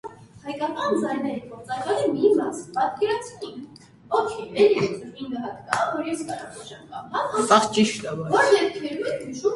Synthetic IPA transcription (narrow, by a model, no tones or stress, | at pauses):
hɑjkɑkɑnd͡zɑjnɛɾəɡɔɾt͡sɑɾvɑlɛmimɑspɑt̪kɛɾɑt͡sʰi | ɔkʰɛmɛlɛɛt͡sʰɾinɡ̪əɦɑt̪kɑvɔɾjɛskɑɾɑpɔt͡ʃjɑmkɑmɑnɑɑχt͡ʃiʃt̪ɑvɑvɔɾjɛpkʰɛɾuɛmiʃum